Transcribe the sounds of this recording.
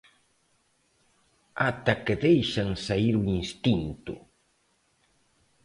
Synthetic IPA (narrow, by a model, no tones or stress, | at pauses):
at̪aked̪ejʃaŋsaiɾʊinst̪int̪ʊ̰